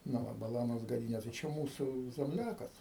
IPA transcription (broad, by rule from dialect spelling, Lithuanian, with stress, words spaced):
nʊ ˈʋɐ bɐˈlˠɑːnoːs ɡɐˈdʲiːnʲeː tɐɪ ˈt͡ʃʲɛ ˈmuːsuː zʲɛmʲˈlʲæːkɐs